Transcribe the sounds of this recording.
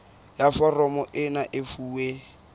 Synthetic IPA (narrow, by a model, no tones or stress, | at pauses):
jafɔrɔmɔʔɪnaʔɪfuːwe